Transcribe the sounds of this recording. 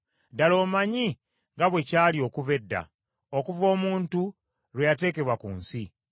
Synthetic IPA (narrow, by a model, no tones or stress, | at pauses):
dalo̞ːmaɲi | ŋɡaβwe̞caːlio̞ːkuve̞dːa̰ | okuvo̞ːmuːntu | ɾwejate̞ːke̞βwakuːnsi